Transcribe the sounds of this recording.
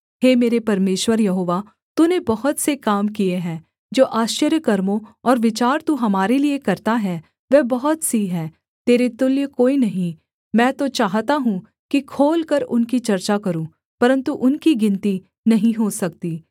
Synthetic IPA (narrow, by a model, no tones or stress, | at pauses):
ɦeːmeːɾepɐɾmeːʃwəɾjɐɦoːʋa | t̪unebɐɦʊt̪sekaːmkieɦɛ̃ː | d͡ʒoːʔaːʃt͡ʃəɾjəkɐɾmõɔːɾʋɪt͡ʃaːɾt̪uɦɐmaːɾeliekɐɾt̪aɦɛ | ʋɛːbɐɦʊt̪siɦɛː | t̪eːɾet̪ʊljəkoːinɐɦĩ | mɛ̃ːt̪ot͡ʃaːɦt̪aɦũ | kikʰoːlkɐɾʊnkit͡ʃɐɾt͡ʃakɐɾũː | pɐɾə̃nt̪uʔʊnkiɡɪ̃nt̪i | nɐɦĩɦosɐkt̪iː